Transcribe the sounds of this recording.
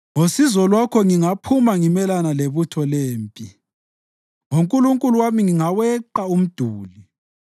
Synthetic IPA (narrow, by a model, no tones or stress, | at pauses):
ŋosizɔlwakʰɔŋiŋapʰumaŋimɛlanaleβutʰɔleːmpʼi | ŋoŋkʼuluŋkʼuluwamiŋiŋawɛǃaum̩d̥ʱuːli